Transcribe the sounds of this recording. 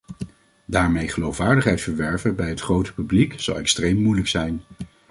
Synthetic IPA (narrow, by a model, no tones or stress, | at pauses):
daːɹmejχəlowfʋaːɹdəχɦɛjtfəɹʋɛɹvəbɛjɦətχrowtə̥pyblikz̥ɑ̰lˠɛkstrejmːujləksɛjn